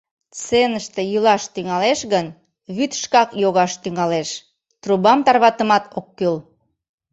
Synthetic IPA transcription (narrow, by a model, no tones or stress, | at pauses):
t͡senəʃt̪ejylɑʃt̪yŋɑleʃɣən | βyt̪ʃkɑkjoɣɑʃt̪yŋɑleʃ | t̪rubɑmt̪ɑrβɑt̪əmɑt̪okːøl